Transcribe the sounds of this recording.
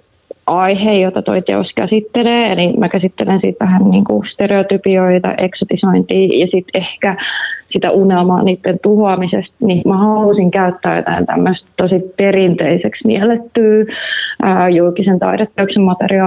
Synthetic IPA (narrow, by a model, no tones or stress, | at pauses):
ʔɑihejjot̪ɑt̪o̰it̪ḛoskæsit̪ːeleːnimækæsit̪ːelensḭːt̪ʋæhænniːŋkust̪ereot̪ypioit̪ɑ̰ʔeksot̪isoint̪iːjɑsit̪ehkæsit̪æ̰ʔunelmɑ̰ːniːt̪ːent̪uhoɑmisest̪nimæhɑllusiŋkæyt̪ːæːjo̰t̪æ̰ḭnt̪æ̰mːøst̪t̪osiperint̪eiseksmḭɛlet̪ːyː | əːjulkisent̪ɑ̰idet̪ːeyksemmɑt̪eriɑ